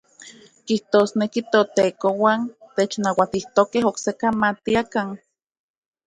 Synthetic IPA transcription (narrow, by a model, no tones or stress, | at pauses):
kiht̪osnekit̪ot̪eːkowaːnt̪et͡ʃnawat̪iht̪okeɦoksekamat̪iakaŋ